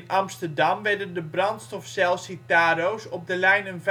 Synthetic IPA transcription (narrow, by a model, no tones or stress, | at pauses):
nʔɑmstərdɑmʋɛɹdəndəbrɑntstɔfsɛlˠsitaːrowsɔb̚dəlɛjnənv